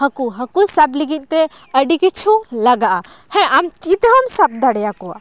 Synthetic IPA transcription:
həkuɦəkusabliɡit̪̚ˀt̪ɛ | əɖikit͡ʃʰulaɡaʔa | hɛ̃ʔamt̪it̪ɦɔmsab̚d̪aɽɛjakɔwa̰

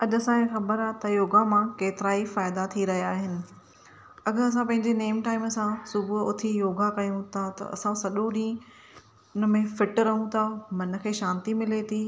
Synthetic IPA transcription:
ɐʄɐsãexɐbəɾaːt̪ɐjoːɡamãkeːt̪ɪɾaːifaːɪd̪at̪ʰiɾɐɦijaːɦɪnɪ̆ | ɐɡəɾɐs̬ãpɐ̃ɦɪ̃ɲd͡ʑeneːmʈaːɪmsãsʊbʱʊt̪ʰijoːɡakɐjũt̪ʰat̪ɐ̰ɐ̰sãsɐɗõɗĩː | ʊnə̆mẽfɪʈɾɐɦũt̪ʰamɐnə̆kʰeːʃãːnt̪imɪlet̪ʰiː

